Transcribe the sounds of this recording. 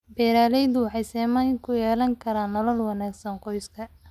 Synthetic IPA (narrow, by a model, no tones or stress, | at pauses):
bɛːɾaːlɛjd̪ʊwɑħɑjsɛːmɐjŋkʰʊjɛːlɐŋkʰɐɾaːnːɐlɐlwɑnaːɡsɐnqɔjskʰɐ